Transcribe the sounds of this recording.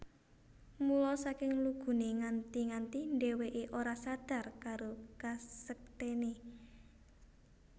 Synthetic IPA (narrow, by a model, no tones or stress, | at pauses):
mulɔsakɪŋluɡ̥ṳneŋant̪iŋant̪inɖeweʔeʔoɾasad̪̥a̤rkaɾokasək̚t̪ene